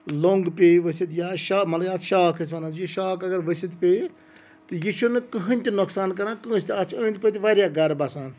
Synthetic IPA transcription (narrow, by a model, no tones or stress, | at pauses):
loŋɡpʲeːʋəsit̪jaːʃaːmɐlɐjaːt̪ʃaːkʰəs̬ʲʋɐnãjiʃaːkɐɡɐɾʋəsit̪pʲeː | t̪ɨjit͡ʃʰunɨkəɦɨ̃nʲt̪inʊksaːnkɐɾãːkə̃st̪ʲiɐt͡ʃʰə̃ːnʲt̪ʲpət̪ʲiʋaɾjaːɡɐɾbɐsaːn